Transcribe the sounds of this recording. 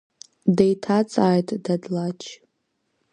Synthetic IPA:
dejtʰat͡sʼaːjtʼdadlat͡ʃʰ

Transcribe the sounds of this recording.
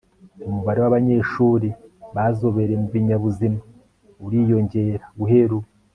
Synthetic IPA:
umuβaɾewaβaɲeʃuːɾiβazo̞βe̞ɾemubiɲaβuzima | uɾiːjo̞ɲɟe̞ɾḁɡuɦe̞ɾu

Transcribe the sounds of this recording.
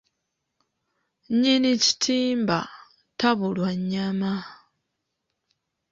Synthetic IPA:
ɲinici̥tʰiːmba | taβulwaɲːama

